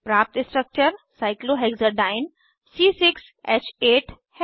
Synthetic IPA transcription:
pɾaːp̚t̪ɪ̃sʈɾək̚t͡ʃəɾsaɪkloɦeɡzəɾɖaːɪn | siːsɪks | eːt͡ʃeːʈʰ | h

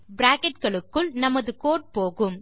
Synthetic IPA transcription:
bɾaːkɛʈ̚kɐɭɯkːɯɭnɐmɐðɯkoːʈ̚poːɣɯm

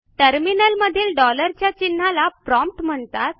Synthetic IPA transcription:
ʈəɾminəlməd̪ʱiːlɖɔləɾt͡ɕjat͡ɕinːalapɾɔmp̚ʈm̤əɳt̪at̪̚

